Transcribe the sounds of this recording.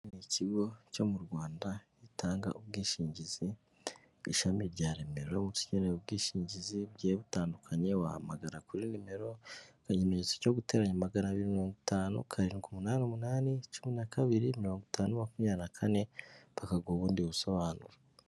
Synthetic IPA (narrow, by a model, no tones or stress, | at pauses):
niciɡo̞co̞muɾɡwaːnda | itʰaːŋɡa̰ʔubɡiːʃiːɲɟiz̥i | iʃamiɾɟaːɾe̞meɾomusi̥ɟeneub̚ɡiːʃiːɲɟiziβɟeβutaːndukʰaɲewaha̰maɡaɾakuɾinime̞ɾo̞kaɲimeɲet͡soco̞ɡute̞ːɾaɲamaɡaɾaβiɾimiɾo̞ːŋɡitaːnṵkʰaɾikumunaːniomunaːnit͡ʃuminakaβiɾimiɾo̞ːŋɡitʰaːnumakumɲanakʰane̞βakaɡoːβuːndiβuso̞βaːnṵɾa